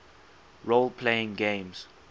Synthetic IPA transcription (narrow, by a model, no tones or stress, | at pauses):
ɹolpʰleɪ̃ŋɡẽmz